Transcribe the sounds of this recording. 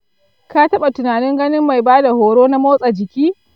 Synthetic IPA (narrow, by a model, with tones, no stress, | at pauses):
ka˦tɐ˦ɓa˨tʊ˨naː˨nɪ˦ŋɡɐ˦nɪ˦mːa˨jbaː˦da˨hoː˨ɽoː˦na˦moː˦sʼa˨d͡ʒɪ˨kʲiː˦